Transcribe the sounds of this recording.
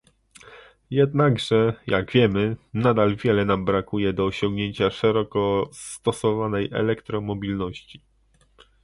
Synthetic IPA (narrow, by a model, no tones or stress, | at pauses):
jɛd̪naɡʐɛjaɡvʲjɛmɘnad̪alvʲjɛlɛnambɾakujɛd̪ɔːɕɔŋɡɲeɲt͡ɕaʂɛɾɔkɔst̪ɔsɔvanɛjʔɛ̰lɛkt̪ɾɔmɔbʲilnɔɕt͡ɕi̥